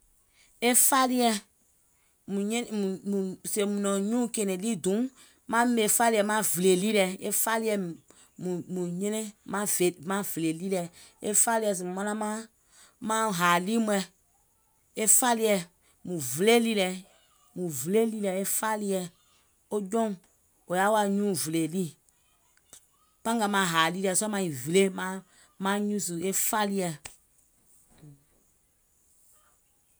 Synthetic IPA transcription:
e˦fa˦li˦ɛ˧ | mũ˨ɲẽ˦nmũ˨mũ˨se˨mũ˨nɔ̃˨ɲũ˦˨ke˨nẽ˨li˦dũ˨˦ | mã˦me˨fa˦li˦ɛ˨mã˦vle˨li˦lɛ˨e˦fa˦li˦ɛ˧ | mũ˨mũ˨ɲẽ˦nẽ˦mã˦ve˨mã˦vle˨li˦lɛ˨ | e˦fa˦li˦ɛ˧˨s̬ĩ˨mã˦nã˦mã˦ | mã˦˨ɦaː˨li˦mũ˦ɛ˧ | e˦fa˦li˦ɛ˧˨ | mũ˨ve˨le˦li˦lɛ˨ | mũ˨ve˨le˦li˦lɛ˨e˦fa˦li˦jɛ˧ | o˦d͡ʒɔ̃˦ŋ | o˨ja˦wa˧˦ɲũː˦˨ve˨le˨li˦˨ | pã˦ɡa˧˨mã˨˦ɦaː˨li˦lɛ˧˨sɔ˦mã˧ĩ˨ve˨le˦mã˦ | mã˦ɲũ˦s̬u˨e˦fa˦li˦jɛ˧˨

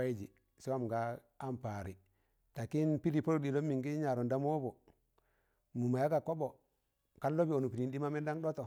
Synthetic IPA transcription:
a˦i˦d͡ʒi˨ | su˦wa˦m˨ɡa˦ | a˦mpa˨ɾi˨ | ta˨ki˦npi˦ɾi˨po˦ɾdi˨lo˦mːi˨ŋɡi˦ɲa˨ɾo˨nda˦m˦o˦bo˨ | mu˨ma˨ja˦ɡa˨ko˦bo˨ | ka˦lːo˦bi˦o˨nu˨pi˨ɾi˨ndi˦ma˦me˦nda˦ŋdo˦to˨

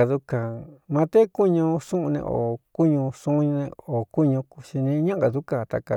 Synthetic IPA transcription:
a˧ðu˧ka˨mã˧t̪e˦ku˦ɲũ˧sũ˦ʔũ˧nḛ̃˧ʔo̰˨ku˦ɲũ˧ʂũ˦ɲ̃˧nẽ˧o˨ku˦ɲũ˧ku̥˧ʃi˧nĩ˧˦ɲã˦a˧ðu˦ka˧t̪a̰˧˨ka˧

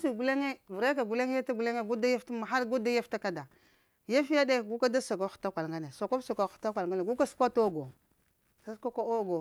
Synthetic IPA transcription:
si˨ɡu˨le˦ŋe˦vu˨ɾa˦ka˨ɡu˨le˦ŋ˦ja˦ta˦ɡu˨le˦ŋe˦ɡu˦da˦ja˦fta˦ma˨xa˦lɡu˦da˦ja˦fta˦ka˦da˨ | ja˦fa˦de˦˨ɡu˦ka˦da˦sa˨ka˨˦xu̥˨ta˦kʷa˨lŋɡa˦ne˨so˨ko˦so˨ka˨˦˨xu̥˨ta˦kʷa˨lŋɡa˦ne˨ɡu˦ka˦su̥˦kʷa˦to˦˨ɡo˨ | sa˦skʷa˦ka˦o˦ɡo˨

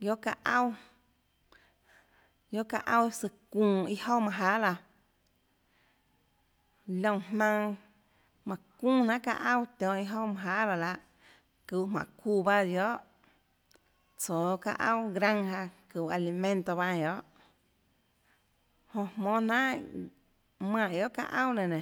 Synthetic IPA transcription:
jo˦ka˧ʔa˦w | jo˦ka˧ʔa˦˧wsɨ˧kũː˧˨i˧ho˦mã˧˨ɦa˦la˧ | lʲõ˧˨hmã˧ŋ | mã˨kũː˦nã˦ka̰˧ʔa˦wt̪ʲɔ̃ː˨ʔi˧ɦo˦mã˧ɦa˦la˧˨la˧ʔ | ku˧˨ʔmã̰˨kuː˧˨ba˦d̪jo˦ʔ | t͡soː˨ka̰˧ʔə˦wɡɾã˦ŋha˧ku˨a˧li˧mẽ˦˧nt̪o˧βa˧˨jo˨˦ʔ | hõ˧˨hmɔ̃ː˧nã˦ | mã˧˨jo˦ʔka̰˧ʔə̃˦wnẽ˨nẽ˨

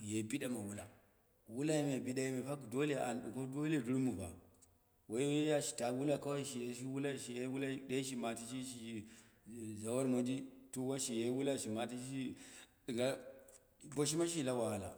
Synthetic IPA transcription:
je˨bi˦ɗa˨ma˨wu˦la˨ | wu˦la˦ji˦me˨bi˦ɗa˦ji˦me˨ɸa˦kdo˦le˦˨ʔa̰˨nɗṵ˨ko˦do˦le˦˨du˦ɾmu˨ba̰˨ | wa˨˦je˦ja˦ʃi̥˨ta˨wu˦la˦ka˦wa˦ʃi˨je˨ʃi˦wu˦la˦ʃi˨je˦wu˦la˦da˦ʃ̬i˦ma˨ti˦ʃi˦ʃi˨i˨ | za˨wa˦lmo˨d͡ʒi˦tu˦wa˦ʃi˨je˦wu˦la˦ʃi˨ma˨t̬i˦ʃi˦ɗi˨ɡa˦ | bo˨ʃ̬i˦ma˦ʃ̬i˦la˦wa˨ɣa˨la̰˨

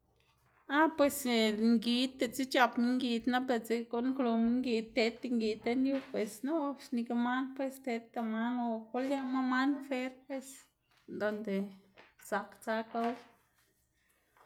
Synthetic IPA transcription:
a˦pwe˨sŋɡi˧t̪ːe˧t͡si˦t͡ʃa˧pmi˦ŋɡi˧d̪na˦be˧t͡se˧ko˦ŋklo˧mi˧˦ŋɡi˧t̪e˧˦t̪e˧ŋɡi˧t̪e˧nju˦pwe˧sno˦ʂni˧ka˧ma˦npwe˧st̪e˧t̪ːa˧ma˦no˧ko˦lja˧ma˦ma˦nfe˦ɾpwe˧s | nd̪o˨nd̪e˨sa˨kt͡sa˧ka˧w

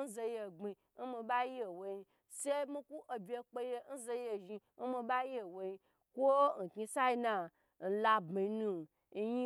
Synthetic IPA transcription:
n̩˦ze˧je˨ɡ͡bi˨˧ | n̩˦mi˧ɓa˦je˨wo˧˨ji˧ | se˦mĩ˦ku˦ʔo˧bʲe˧k͡pe˧je˧n̩˦ze˧je˧˨ʒi˧n̩˦mĩ˧ɓa˦je˨wo˨˧ji˧ | kʷo˦n̩˨ki˧sa˦i˧na˧ | n̩˨la˧bmi˨˧˦nũ˧˨˧ | ji˦

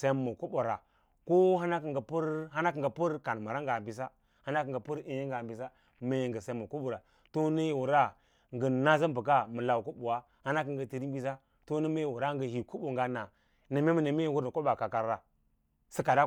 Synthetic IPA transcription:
sa˦mːu˨ku˦bu˨ɾa˨ | ko˦ɦa˦na˦k̬i˨ŋɡə˨pu˦ɾɦa˦na˦kə˨ŋɡa˨pu˦ɾka˨n˨ma˨ɾa˦ŋɡa˨bi˨s̬a˦ | ha˦na˦kə˨ŋɡə˨pu˦ɾi˦ji˦ŋɡa˨mbi˨sa˦ | me˦jŋɡə˨sa˦mːu˨ku˦bu˨ɾa˨ | to˦nə˦jwu˨ɾa˦ | ŋɡə˨na˦za˦bə˨ka˦mə˨la˨wu˨ku˦bu˨wa˦ | ha˦na˦k̬ə˨ŋɡə˨ti˨ɾi˦mbi˦s̬a˦ | to˦nə˦me˦˨wu˨ɾa˦ŋɡə˨hi˨ku˦bu˨ŋɡa˦na˨ | nə˨me˦mə˦˨nə˨me˦wu˦ɾn˨ko˦ba˨ka˨ka˨ɾɾa˨ | si˦ka˨da˦

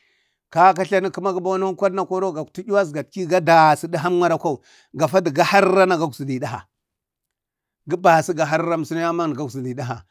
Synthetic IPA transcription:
ka˦ka˦ɬa˦ni˦ku˦ma˦ɡi˦ba˦na˦kʷa˦dna˦kʷo˦ɾo˦ɡa˨ktu˦i˦wa˦s̬ɡa˨tki˦ɡa˦da˨si˦di˦ɦa˦mʷ˦a˦ɾa˦ka˦u˨ | ɡa˨fa˦di˨ɡa˦ha˦ɾːa˦na˨ɡa˦ɡu˨si˨di˨da˦˨ɦa̰˨ | ɡi˦ba˨si˦ɡa˨ɦa˦ɾɾa˦m˨si˦na˦ja˦ma˦n˨ɡa˦ɡsi˨di˨da˦ɦa̰˨

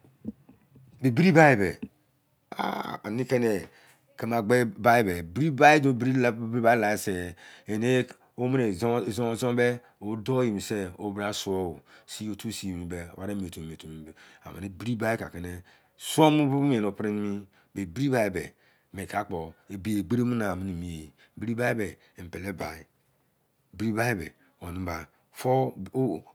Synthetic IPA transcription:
be˨bi˦ɾi˦ba˦i˨bḛ˨ | a̰˦˨a̰˨ni˦ke˦ne˨ | ke˦ma˨ɡ͡be˦ba˦i˦be˨bi˦ɾi˦ba˦i˦do˨bɾi˦bba˦i˦la˨e˨se˨e˨ne˦ | o˦me˦ne˨˦˨zzo˦be˦ | o˦do˦ji˨mi˨se˦o̰˦bɾa˦su˦o˦o˨si˦o˦tu˦si˨mi˨bḛ˨wa˨ɾe˦m˨tu˨me˨to˨mi˨b | a̰˨mḛ˨ne˦bi˦ɾi˦ba˦i˦ka̰˨ke˨ne˦ | su˦o˦mu˦bu˦u˦m˦e˨no˨pɾi˦n˦mi˦ | be˨bi˦ɾi˦ba˦i˨bḛ˨ | me˨ka˦k͡po˨e˨bi˦e˨ɡ͡be˦ɾe˦mu˦na˨mi˦ni˨mi˨je˨ | bi˦ɾi˦ba˦i˦be˨ | m̩˨pe˨le˦ba̰˨i˨ | bi˦ɾi˦ba˦i˦bḛ˨ | o˨ni˦ba˨ | fo˦

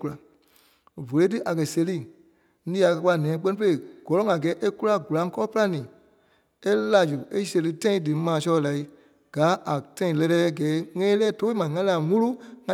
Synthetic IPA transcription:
ku˧la˨ | vo˨le˦t̬ɨ˦ʔa˨kɜ˨se˧liː˦˨˦ | ĩː˦a˨kɜ˧k͡pa˧˨nɛ̃ː˨˦k͡pɛ˦nĩ˦pə˦e˦˨ɡ̥ɔ˨lɔ˦ŋã˨ɡɛː˨˦ʔe˦ku˦la˧ɡu˨lã˧˦ŋ˦kɔː˦ɔ˦pɨ˦la˦nĩː˨ | e˦la˨d͡ʒu˨e˦se˧lɨ˧˦tã˦ĩ˧˦dɨ˨mãː˨sɔ˧ɔ˧la˨i˦ | ɡ̥aː˨˦ʔa˨tã˦ĩ˨lɛ˧ɾɛː˦˧˨ɡɛː˨˦ŋɛ̃˦lɛː˦to˦mã˨ŋã˧˦la˨mũ˦lu˦ŋã˧˨

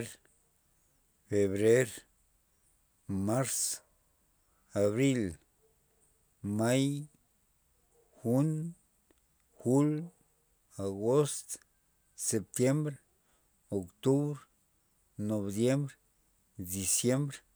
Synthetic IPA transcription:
ɾ | fe˨βɾe˦ɾ | ma˦ɾs | a˨βɾi˦l | ma˦j | xu˦n | xu˦l | a˨ɡo˦st̪ | se˨p̚t̪je˦mbɾ | o˨kt̪u˦βɾ | no˨bd̪je˦mbɾ | d̪i˨sje˦mbɾ

